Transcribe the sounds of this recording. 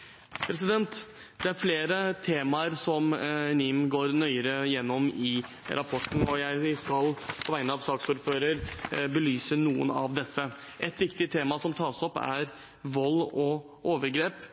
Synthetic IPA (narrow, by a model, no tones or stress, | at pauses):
pʰɾɛs̬ɪd̪ɛnt̪ | d̪̥ɛæɾfleːɾət̪ʰeːmɑəɾsɔmnɪmɡoːɾnœʏəɾəjɛnːɔmɪ | ɾʔɑpʰɔʈːən̩ɔjæɪskɑlpʰɔʋæɪnəɑʋsɑːksuːɾføːɾəɾbəlyːsənuːə̰nɑ̰ʋd̪ɛsːə | ʔɛt̪ʋɪkt̪ɪt̪ʰeːmɑsɔmt̪ʰɑːsɔpːæ̰ɾ | ʋɔlːɔ | ʔoːʋəɾɡɾeːp